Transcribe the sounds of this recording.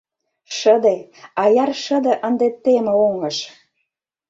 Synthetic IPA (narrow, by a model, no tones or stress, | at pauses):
ʃəd̪eɑjɑrʃəd̪ĕʔənd̪et̪ːemeoŋəʃ